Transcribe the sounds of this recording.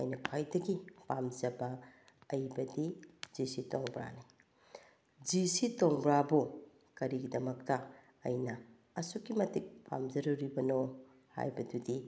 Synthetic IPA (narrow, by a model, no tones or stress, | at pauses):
ɐ̰jnɐkʰwajdɐɡipamzɐbɐː | jbɐdiz̥isitoŋbɾa̰ni | d͡ʒisitoŋbɾabu | kɐɾiɡidɐmɐktɐ̰ː | jnɐː | sukːimɐtik̚pʰa̰mzɐɾuɾibɐno | ha̰jbɐdudi